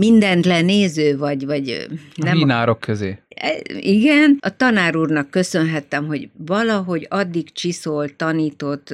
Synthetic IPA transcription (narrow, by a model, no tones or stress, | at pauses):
mind̪ɛnt̪lɛneːzøːvɒɟvɒɟnɛmiːnaːɾokːøzeːɛ̰iɡɛnɒt̪ɒnaːɾuːrnɒkːø̞sø̞nɦɛt̪ːɛmɦo̞ɟvɒlɒɦo̞ɟɒd̪ːikt͡ʃisolt̪ɒniːt̪o̞t̪ː